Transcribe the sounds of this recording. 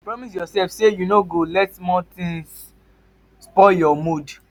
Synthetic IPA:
pɹɔmis̬jɔsɛlfsejunoɡolɛtmɔ̃t̪ĩŋs | spɔjɔmud

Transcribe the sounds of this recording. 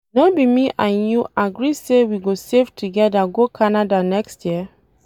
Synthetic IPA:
nobimiʔãnjuʔaɡɹisewiɡosevtʰuɡɛdaɡokʰanadanɛkstjiə

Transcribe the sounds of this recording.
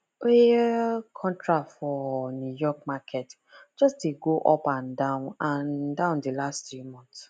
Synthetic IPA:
eekʰɔ̃ntʰɹafɔnjujɔkmakʰɛt | d͡ʒɔsdeɡoʔɔpãndãʊ̃nãndãʊ̃ndelastumɔ̃nts

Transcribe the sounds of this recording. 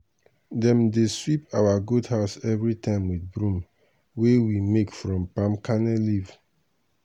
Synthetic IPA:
dɛ̃mdeswipʰawaɡudhaʊsɛvɹitãɪ̃mwidbɹũm | wewimekfɹɔ̃mpãmkanɛliv̥

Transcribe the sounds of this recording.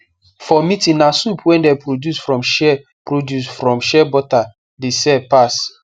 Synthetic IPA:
fɔmitĩnasupʰwɛ̃ndɛpɾodjusfɹɔ̃mʃɛ | pɹodjusfɹɔ̃mʃɛbɔta | desɛpas

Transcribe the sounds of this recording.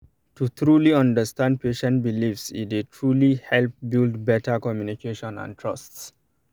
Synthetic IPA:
tut̪ʰɹuliʌ̃ndəstãnd̚pʰeʃɛ̃nt̚bilifsḭtetʰɹulihɛlp̚bildbɛtəkɔmjunikʰeʃɔ̃nã̰ntʰɹʌsts

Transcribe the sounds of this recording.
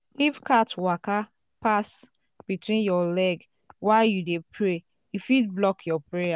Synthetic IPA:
ifkatwaka | pas | b̥itʰwĩnjɔlɛɡ | waɪjudepʰɹe | ifidblɔkʰjɔpɹeja

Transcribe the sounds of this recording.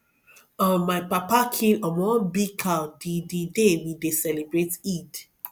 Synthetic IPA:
ɔ̃maɪpapakʰĩlɔ̃mɔ̃bikʰadididemĩdesɛlebɹetid

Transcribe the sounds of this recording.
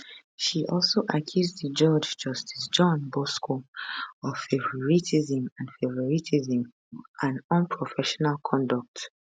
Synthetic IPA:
ʃiʔɔlsoʔakʰjuzðəd͡ʒɔd͡ʒd͡ʒʌstʰi̥sd͡ʒɔ̃nbɔskʰoɔv̥fevɹɔɹitizĩmãnfevɔɹitʰizĩm | ʔãnɔ̃npʰɹɔfɛʃɔnalkʰɔ̃ndɔk̚t

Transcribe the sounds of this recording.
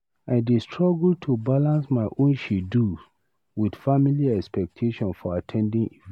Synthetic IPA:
aɪdestʰɹɔɡultʰubalãnsmaɪʔõnʃidu | wid̥familiɛkspɛk̚tʰeʃɔ̃nfɔatʰɛ̃ndĩŋi

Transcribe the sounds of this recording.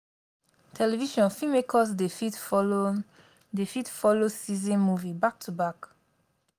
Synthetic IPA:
tʰɛlɛviʃɔ̃nfimekʰɔs̬defit | defitfɔlosizĩnmuvibak̚tʰubak

